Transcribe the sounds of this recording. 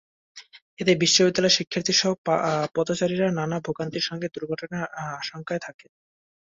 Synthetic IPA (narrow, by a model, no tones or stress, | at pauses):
et̪ebiʃːobid̪ːalɔeʃikʰːiɾt̪ʰiɾʃɔɦopɔd̪ot͡ɕaɾiɾananabʱoɡant̪iɾʃɔŋɡed̪uɾɡʱɔʈonaaʃoŋkaet̪ʰaken